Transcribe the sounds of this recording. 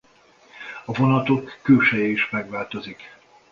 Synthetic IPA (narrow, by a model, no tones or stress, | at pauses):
ɒvo̞nɒt̪o̞kːøːʃɛjɛiʃmɛɡʋaːlt̪o̞zik